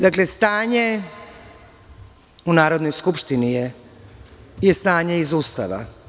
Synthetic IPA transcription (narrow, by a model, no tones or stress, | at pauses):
d̪akle̞st̪aːɲe | unaːɾo̞d̪no̞jskupʃt̪inije | jest̪aːɲeizuːst̪a̰ʋa̰